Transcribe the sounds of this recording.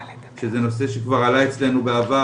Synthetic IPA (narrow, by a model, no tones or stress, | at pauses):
ʃezeno̞se̞ʃekvaʁalaet͡sle̞nubeava